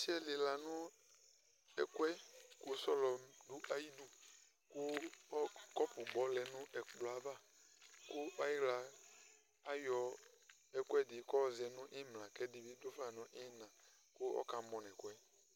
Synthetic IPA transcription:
si˦ɛ˦lɪ˨la˨nʊ̃˦ | ɛ˨kwɛ˦kʊ˦sɔ˦lɔ˨mdu˦ʔa˦ji˦du˦ | kʊ˦ɔ˦kɔ˦pʊ˨ɡ͡bɔ˨lɛ˨nʊ̃˦ʔɛ˨k͡plɔ˨a˨va˦ | kʊ˦ɔ˦ɛ˦ɣla˨ | a˦jɔ˨ | ɛ˨ku˦ɛ˦dɪ˨˦kɔ˦˨zɛ˨nʊ̃˦ʔɪ˦mlã˨kɛ˦di˨bi˦do˦fa˨nʊ̃˦ʔɪ˦nã˨ | kʊ˦ɔ̰˦ka˨mɔ̃˨nɛ̃˨kʊ˦ɛ˦

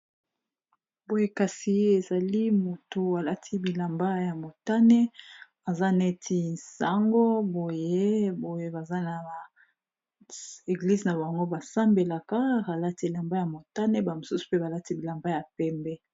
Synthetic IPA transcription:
bo˨je˦ka˨si˨e˨za˨li˦mo˨to˨a˨la˦tʰi˦bi˨la˨mba˦ja˨mo˨ta˦nɛ˦ | a˨za˦ne˦tʰi˦nsa˦ŋɡo˦bo˨je˦bo˨je˦ba˨za˦na˨a˨ | e˨ɡli˦zna˨ba˨a˨ŋɡo˦ba˨sa˦mbe˨la˨ka˦ʁa˨la˦ti˦˨la˨mba˦ja˨mo˨ta˦nɛ˦ba˨mo˨su˦su̥˨pe˦ba˨la˦ti˦bi˨la˨mba˦ja˨pɛ˦mbɛ˦

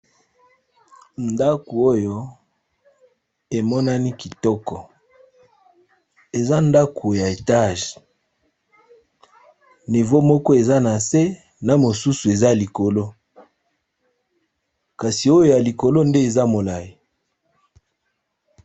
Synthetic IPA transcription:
nda˦ku˨o˦jo˦ | e˨mɔ˦na˦ni˦ki˨tɔ˦kɔ˨ | e˨za˦nda˦kʰo˨ja˨e˨ta˦˨ʒe̥˨ | ni˨vo˦mɔ˦kɔ˦e˨za˦na˨se˦ | na˨mo˨su˦su˨e˨za˦˨li˨ko˨lo˦ | ka˨si˨o˦jo˦ja˨li˨ko˨lo˦nde˦e˨za˦mo˨la˨ji˨

